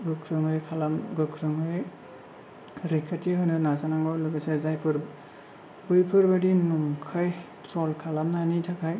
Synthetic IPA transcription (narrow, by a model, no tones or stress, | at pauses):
ɡɯkʰɾɯŋɯjkʰalamɡɯkʰɾɯŋɯj | ɾikʰatiɦhɯnɯnazanaŋɡɯlɯɡasezajpʰɯɾ | bɯjpʰɯɾbɯdinuŋkʰajtʰɾɔlkʰalamnanitʰakʰaj